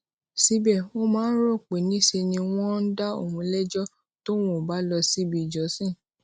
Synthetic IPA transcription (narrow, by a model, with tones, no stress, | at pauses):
si˧bɛ˨o˦mãː˨˦n̩˦ɾo˦˨k͡pe˨˦nĩ˦se˧nĩ˧w̃ɔ̃˦n̩˦da˦o̰˦˨hũ˧˦lɛ˦d͡ʒɔ˦ | to˦w̃ɔ̃˦˨ba˨˦lɔ˧si˦bi˨d͡ʒɔ˨˦sĩ˦˨